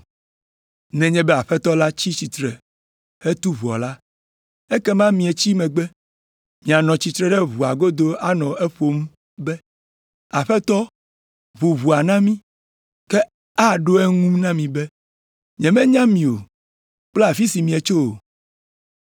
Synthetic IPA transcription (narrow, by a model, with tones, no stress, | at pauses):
nɛ̃˨ɲɛ̃˦bɛ˦a˨ɸɛ˦t̪ɔ˦la˦t͡ɕi˦t͡ɕi˨t̪ɾɛ˨ | ɛ˦t̪u˦βu˨ɔ̰˨la˦ | ɛ˦kɛ˦mã˦mĩ˨e˨t͡ɕi˦mɛ̃˨ɡ͡bɛ˦ | mĩ˨a˨nɔ̃˨t͡ɕi˨t̪ɾɛ˦ɖɛ˦βu˨a˨ɡo˦d̪o˦a˦nɔ̃˨ɛ˦ɸo˨m˦ | bɛ˦ | a˨ɸɛ˦t̪ɔ˦ | βu˨βu˨a˨nã˦mĩ˦ | kɛ˦ | a˦ɖo˦ɛ˦ŋũ˦nã˦mĩ˨bɛ˦ | ɲɛ̃˨mɛ̃˦ɲã˦mĩ˨o̰˨ | k͡plɛ˦a˨fi˦si˨mĩ˨e˨t͡ʃo˦o˨